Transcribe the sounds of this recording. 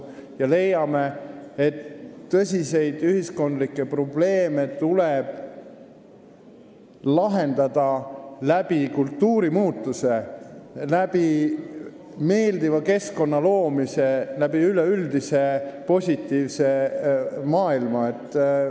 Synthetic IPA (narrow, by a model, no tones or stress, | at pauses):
jɑle̞jːɑme̞et̪ːɤsʲise̞jd̪̥yhisko̞nd̪likːˑe̞pro̞b̥le̞ːme̞t̪uleb̥ | lɑɦe̞nd̪ɑd̪̥ɑlæb̥ikult̪ːuːɾimuːt̪ːˑuse̞ | læb̥i | me̞ːld̪ivɑke̞sko̞nːɑlo̞ːmise̞læb̥iyleyld̪ise̞po̞sʲit̪ːˑiːvse̞ | mɑːilmɑet̪ːˑ